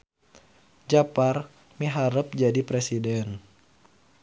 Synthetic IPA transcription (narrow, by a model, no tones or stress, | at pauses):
d͡ʒapar | miɦaɾəp̚d͡ʒadipɾesidɛn